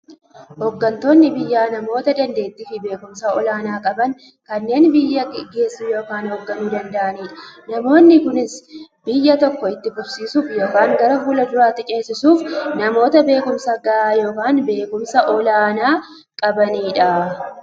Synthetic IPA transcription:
hɔɡːɐnt̪o̞ːnːɪbɪjːaːnɐmo̞ːt̪ɐd̪ɐnd̪e̞ːt̪ːɪfɪbe̞ːkʊmsɐʔɔlaːnaːkʼɐbɐŋ | kɐnːe̞ːnbɪjːɐɡe̞ːsːuːjo̞ːkaːnhoɡːɐnuːd̪ɐnd̪ɐʔɐniːᶑɐ̥nɐmo̞ːnːɪkʊnɪsbɪjːɐt̪ɔkːɔɪt̪ːɪbʊbsiːsuːfjo̞ːkaːŋɡɐɾɐfuːlɐd̪ʊɾaːt̪ːɪt͡ʃʼe̞ːsɪsuːfnɐmo̞ːt̪ɐbe̞ːkʊmsɐɡɐʔaːjo̞ːkaːnbe̞ːkʊmsɐʔɔlaːnaː | kʼɐbɐniːᶑɐ

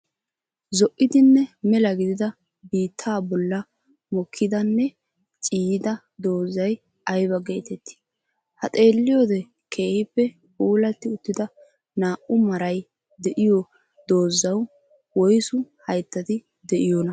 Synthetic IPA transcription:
zɔʔːɪd̪ɪnːɛmɛlɐɡɪd̪ɪd̪ɐ | biːt̪ʰːaːbɔlːɐ | mɔkʰːɪd̪ɐnːɛ | t͡ʃʼiːɪd̪ɐ | d̪o̞ːzɐj | ɐjbɐɡe̞ːt̪ɛt̪ːɪ̥ | hɐt̪ʼe̞ːlːɪjod̪ɛ | kʰe̞ːhɪpːɛ | kʼuːlɐt̪ːɪʊt̪ːɪd̪ɐ | naːʔʊmɐɾɐj | d̪ɛʔɪjɔ | d̪o̞ːzɐw | wɔjsʊhɐjt̪ːɐt̪ɪ | d̪ɛʔɪjonɐ

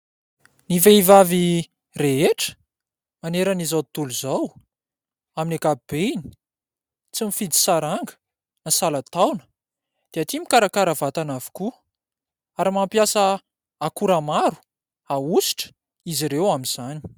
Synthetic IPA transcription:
niveivavi | reeʈ͡ʂə̥ | maneɾanizat̪uluzaw | aminakaib̥eini̥ | t͡simifid̪i̥saɾaŋɡə̥ | nasalat̪awnə̥ | d̪̥eat̪imikaɾakaɾavat̪anavi̥ku | aɾimampjasə | akuɾamaɾu̥ | ausi̥ʈ͡ʂə̥ | iziɾewamiz̥ani

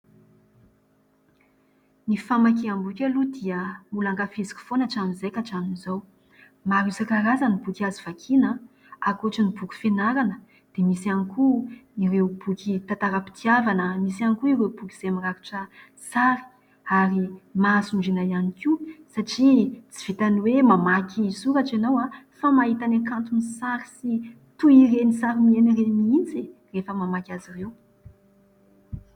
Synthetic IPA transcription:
nifamak̬iambukʲalud̪iəmulaŋɡafezi̥ku̥fonaʈ͡ʂaminzejkʲaʈ͡ʂaminizow | maɾuzakaɾazənibukiaziv̥akʰinə | akoʈ͡ʂənibukʲi̥fenaɾanə | d̪̥emisianikuiɾewb̥ukit̪at̪aɾəpi̥t̪iavanəmisianikuiɾewbuki̥z̥emiraɾi̥ʈ͡ʂə | saɾi̥ | aɾimasuɳɖ͡ʐinaianikiusaʈ͡ʂit͡si̥v̥it̪aniwemamakʰisuɾaʈ͡ʂenawafamaɦit̪anakant̪unisaɾi̥si | t̪uirenisaɾimienireniint͡serefəmamakʲazirew

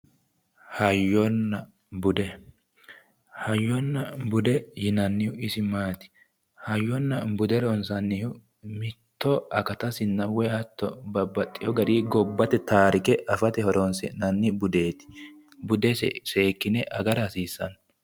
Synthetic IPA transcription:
hɐjːɔnːɐ | bʊd̪ɛ | hɐjːɔnːɐbʊd̪ɛjɪnɐnːɪjʊɪsɪmaːt̪ɪ̥ | hɐjːɔnːɐbʊd̪ɛɾɔnsɐnːɪhʊ | mɪt̪ːɔɐkɐt̪ɐsɪnːɐwɛɐt̪ːɔ̰bɐbːɐt̪ʼːɪjɔɡɐɾiːɡɔbːɐt̪ɛt̪aːɾɪkɛʔɐfɐt̪ɛhɔɾɔnsɛ̰nɐnːɪbʊd̪eːt̪ɪ̥ | bʊd̪ɛsɛ̰se̞ːkːɪnɛʔɐɡɐɾɐhɐsiːsːɐ̰n

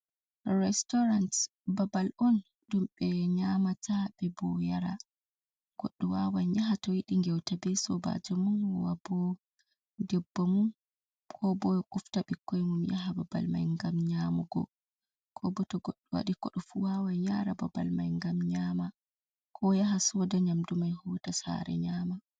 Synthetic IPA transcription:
rɛstɔɾant | babalɔn | ɗumɓɛɲamatʰabɛbɔjaɾa | ɡ̥oɗːuwawaɲaɦatɔjiɗiŋɡɛwtabɛsɔba̰d͡ʒɔmunwabɔ | dɛbːomum | kʰɔbɔkuftaɓikːɔjmumjaɦabɔba̰lma̰jŋɡamɲamuɡɔ̰ | kʰɔbɔtɔɡoɗːuwa̰ɗikɔɗɔfuwaːwajɲaɾabɔba̰lmajŋɡamɲaːma | kʰɔjaɦasɔdaɲamdumajhɔːtasa̰ɾɛ̰ɲaːma

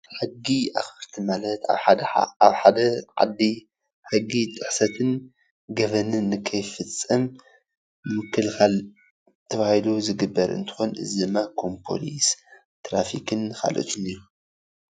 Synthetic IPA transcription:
ħɨɡːiaxɨɾt̪ʰimalɐt̪a̰βħad̪ɐa̰aβħad̪ɐʕa̰d̪ːi | ħɨɡːit̪ʼɨħsɐt̪ʰɨn | ɡɐβɐnɨnːɨkʰɐjfɨt͡sʼːɐm | nɨmɨkʰːɨlxal | t̪ʰɐβahiluzɨɡɨbːɐɾɨ̰nt̪ʰɨ̥xo̞nɨ̰zid̪ɨmːakʰo̞mpʰo̞̰lis | t̪ɾafikʰɨnxa̰lʔo̰t̪ʰʼɨniju

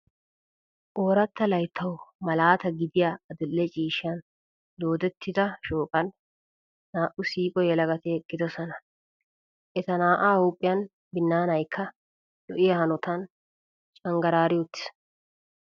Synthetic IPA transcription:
ʔoːɾɐt̪ːɐlɐjt̪ʰːɐwmɐlaːt̪ɐɡɪd̪ɪjaɐd̪ʊlːɛt͡ʃʼiːʃɪɐn | d̪o̞ːd̪ɛt̪ːɪd̪ɐʃoːkʼɐnː | aːʔʊsiːkʼɔjɛlɐɡɐt̪ɛɛkːɪd̪ɔsɐnɐ | ʔɛt̪ɐnaːʔaːhuːpʼːɪjɐn | bɪnːaːnɐjkʰːɐ | dɔ̰ʔɪjɐhɐnɔt̪ɐn | t͡ʃʼɐŋɡɐɾaːɾɪjot̪ːɪ̥s

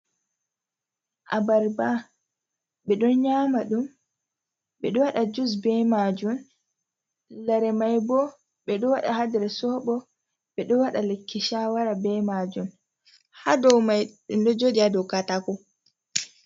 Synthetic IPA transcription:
ʔabaɾba | ɓɛɗɔnɲaːmaɗum | ɓɛɗɔwaɗad͡ʒus̬bɛmad͡ʒun | laɾɛmajbɔ | ɓɛɗɔwaɗa̰hadɛɾɛsɔɓɔ | ɓɛɗɔwaɗalekːiʃawaɾabɛmad͡ʒum | hadɔwmajɗumɗɔd͡ʒodiadɔwkatakɔ

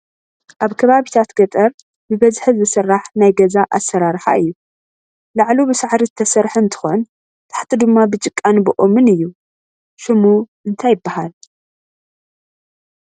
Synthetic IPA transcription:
ʔaβkʰɐβaβit̪ʰat̪ɡɐt̪ʼɐɾ | bɨbɐzħɨzɨsɨrːaħnajɡɐzaʔasːɐɾaɾħa̰ɨjːu | laʕlubɨsaʕɾiɨt̪ʰɐsɐɾħɨnt̪ʰɨ̥xon | t̪ʰḁħt̪ʰɨd̪ɨmːabɨt͡ʃʼɨkʼːanbɨʔomɨnɨjːu | ʃɨmuʔɨnt̪ʰajɪbːahal

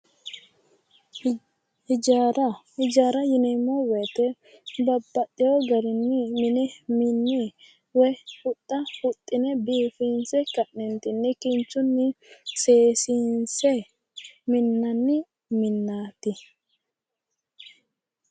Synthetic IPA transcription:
h | hɪd͡ʒaːɾɐjɪnɛmːɔwɛːt̪ɛ | bɐbːɐtːɛɔɡɐɾɪnːɪmɪnɛmɪnːɪ | wɛhʊt̪ʼːɐhʊt̪ʼːɪnɛbiːfiːnsɛkɐʔnɛnt̪ɪnːɪkɪnt͡ʃːʊnːɪseːsinsɛ | mɪnːɐnːɪ | mɪnːaːt̪ɪ

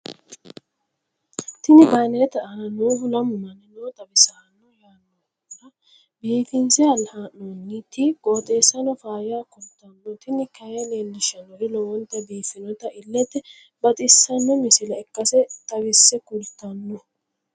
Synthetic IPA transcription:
t̪ɪnɪbɐjnɛt̪ɐʔɐnɐnoːhʊlɐmːɐnɛnoːt̪ʼɐbɪsɐɐnːɔjaːnːɔ | ɐ | biːfɪnsɛɐlhanːɔnːit̪ikʼoːt̪ʼeːsːɐnɔfaːjaːkʊlt̪ːɐnːɔt̪ɪnɪkɐjɐneːnd̪ɪʃɐnɔʔɪlɔwɔnt̪ːɐbiːfɪnɔt̪ɐʔɪlːɛt̪ːɛ | bɐt̪ʼɪsːɐnːɔmɪsɪlɐɛkːɐsɛt̪ʼɐwɪsːɛkʊlt̪ːɐnːɔ

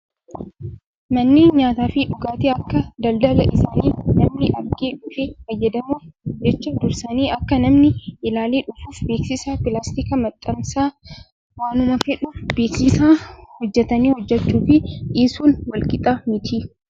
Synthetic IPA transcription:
mɐnːeːnɲaːt̪aːfɪᶑʊɡaːt̪iɐkːɐd̪ɐld̪ɐlɐʔɪsaːniːnɐmnɪʔɐɾɡeːᶑʊfeːfɐjːɐd̪ɐmuːd͡ʒɛt͡ʃːɐd̪ʊɾsɐniːʔɐkːɐnɐmnɪʔɪlaːleːᶑʊfuːfbe̞ːksɪsaːpɪlaːst̪ikɐmɐt̪ʼːɐmsaː | waːnʊmɐfɛᶑʊb̥eːksɪsaːhɔd͡ʒːɛt̪ɐniːhɔd͡ʒːɛt͡ʃːuːfɪʔiːsuːnwɐlkʼɪt̪ʼaːmɪt̪ʰiː

